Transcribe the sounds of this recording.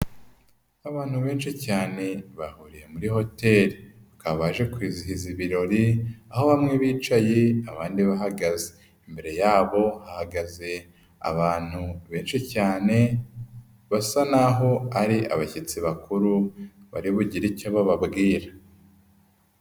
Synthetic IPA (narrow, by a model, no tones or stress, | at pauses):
aβaːn̥huβe̞ːnʃicaːne̞βahuɾije̞muɾiho̞te̞ɾiβakaβaːʒe̞kwiːziɦiziβiɾo̞ɾiaɦo̞βamŋeβiːt͡ʃaje̞aβaːndiβaɦaɡaze̥ | imbe̞ɾe̞jaːβo̞hahaɡaze̞ | a̰βaːn̥huβe̞ːnʃicaːne̞ | βasanaɦo̞aɾiʔa̰βacet͡siβakuɾuβa̰ɾiβuɟiɾicaβaβabɡiːɾa